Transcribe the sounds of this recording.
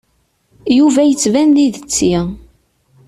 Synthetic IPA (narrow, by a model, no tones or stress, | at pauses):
juvæjət͡sːvænliðət͡sːi